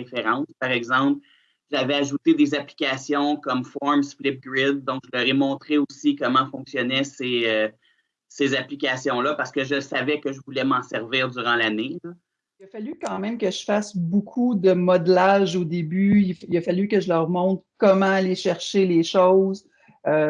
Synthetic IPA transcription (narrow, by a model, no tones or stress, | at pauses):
efeʁɑ̃spaʁɛɡzɑ̃pl | ʒavɛaʒut̪ed̪ezaplikʲaːsjɔ̃kɔmfɔɹmsflɪp̚ɡʁɪd̪̚ːɔ̃kʒəlœːʁɛmɔ̃t̪χeosikɔmɑ̃fɔ̃ksjɔnɛseø | sezaplikʲasjɔ̃lʌpaʁsə̥kəʒəsavɛkəʒəvulɛmɑ̃sɛʁviːʁd̪yʁɑ̃lanelʌ | iləfalykɑ̃mɛ̃mkəʒəfasbokʰud̪əmɔd̪laʒod̪ebyifiləfalykəʒəlœʁmɔ̃t̪kɔmɑ̃aleʃɛʁʃeleʃowz | ø